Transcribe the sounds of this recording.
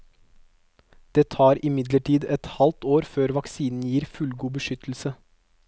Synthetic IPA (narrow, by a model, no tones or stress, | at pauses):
d̪̥eːt̪ʰɑːɾɪmɪd̪ləʈʰiːd̪ɛt̪hɑlt̪oːɾføːɾʋɑksiːnn̩jiːɾfʉlɡuːbəʃʏt̪l̩sə